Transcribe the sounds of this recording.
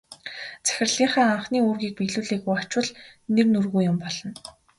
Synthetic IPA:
t͡sæ̥xʲɪ̆rɮiːɴχæːaɴχniːoːrɣiːk̚piɣɮuːɮeːɣujat͡ɕwə̆ɮnernɵrɣuːjʊmpɔɮɞ̆n

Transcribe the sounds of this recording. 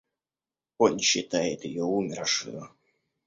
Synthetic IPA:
onɕːɪt̪ajɪt̪jɪjoumʲɪɾʂɨ̰jə

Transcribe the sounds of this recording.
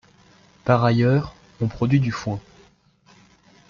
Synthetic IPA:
paʁajœːʁ | ɔ̃pχɔd̪ɥid̪yfwɛ̃

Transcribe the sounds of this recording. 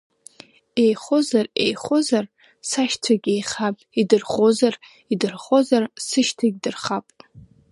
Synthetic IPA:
ejχozarḛjχozar | saʃtʰaɡʲejχapʼidɨrχozar | idɨrχo̞zarsɨʃtʰaɡʲdɨrχapʼ

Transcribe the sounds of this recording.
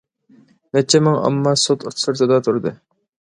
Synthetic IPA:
mɛt͡ʃʰːɛmɪŋɑ̰mːɑsot̪uɾt̪ʰsɨɾt̪ʰɨd̪ɑt̪ʰuɾd̪ɨ

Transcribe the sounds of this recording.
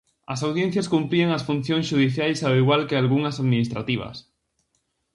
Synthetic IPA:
ɐsawðjẽn̟θjɐskumpɾieŋɐsfun̟θjõŋsʃuðiθjajsawiɣwalkɪalɣuŋɐsaðminist̪ɾat̪iβ̞ɐ̰s

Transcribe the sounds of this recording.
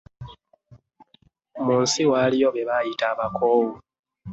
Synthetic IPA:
muːnsiwalijo̞βeβajitaːβakʰoːwu

